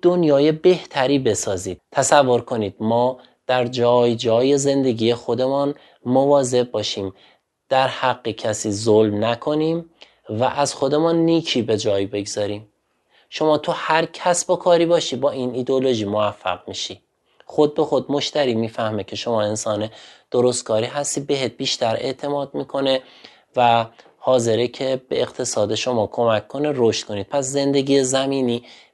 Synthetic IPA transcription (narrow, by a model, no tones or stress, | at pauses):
d̪̥onjɒːje̞be̞ht̪ʰæɾiːbe̞sɒːziːd̪̥̚t̪ʰːæsævːo̞ɾkʰo̞niːd̪̥̚mɒː | d̪̥æɾd͡ʒɒːjd͡ʒɒːjeze̞nd̪e̞ɡiːje̞xo̞d̪emun | movɒːze̞bbɒːʃiːm | d̪̥æɾhæɢːecʰæsiːzolmnækʰo̞niːm | væʔæz̥xo̞d̪e̞munːiːcʰiːbe̞d͡ʒɒːjbe̞ɡzɒɾiːm | ʃo̞mɒːt̪ʰuhæɾcʰæsbokʰɒːɾiːbɒːʃiːbɒːʔinid̪eolo̞ʒiːmovæfːæ̰ɣmiʃi | xo̞d̪̚bexo̞d̪̚mo̞ʃt̪æɾiːmiːfæhme̞cʰe̞ʃo̞mɒːe̞nsɒːned̪̥oɾost̪̚kʰɒːɾiːɦæst̪iːbe̞ɦet̪̚biːʃt̪æɾe̞̰ʔt̪ʰe̞mɒːd̪̥̚miːkʰo̞ne | væ | hɒːze̞ɾecʰe̞bḛːqt̪ʰe̞sɒːd̪eʃo̞mɒːkʰo̞mækʰkːo̞neɾoʃt̪̚kʰo̞niːd̪̚pʰæsze̞nd̪e̞ɟiːezæmiːniː